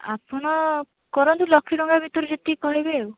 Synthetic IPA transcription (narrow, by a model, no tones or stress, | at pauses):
a̰pɔɽ̃ɔ | kɔɾɔnt̪ulɔkʰːiɽɔŋɡabʱit̪ɔɾed͡ʒet̪ikɔɦibew